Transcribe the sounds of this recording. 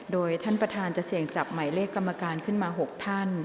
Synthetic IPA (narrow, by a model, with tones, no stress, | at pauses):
doː˧jt̪ʰa˥˩npɾa˧t̪ʰaː˧nt͡ɕa˨˩ʔsi˨˩əŋt͡ɕa˨˩p̚ma˩˦jleː˥˩kːa˧mːa˧kaː˧nkʰɯ˥˩nmaː˧ɦo˨˩k̚t̪ʰa˥˩n